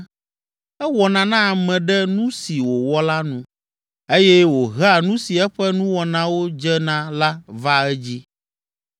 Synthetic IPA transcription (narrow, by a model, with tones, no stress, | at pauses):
ɛ˦wɔ˨nã˨nã˦a˨mɛ̃˨ɖɛ˦nũ˦si˨wo˨wɔ˦la˦nũ˦ | e˦jɛ˦wo˨ɦa˨nũ˦si˨ɛ˦ɸɛ˦nũ˦wɔ˨nã˨wo˦d͡ʒɛ˦nã˦la˦va˦ɛ˦d͡ʑi˦